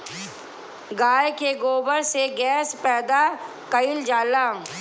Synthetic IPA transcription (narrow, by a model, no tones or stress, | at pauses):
ɡaːjkeɡoːbəɾseɡɛːspɛːd̪a | kəɪld͡ʒaːlaː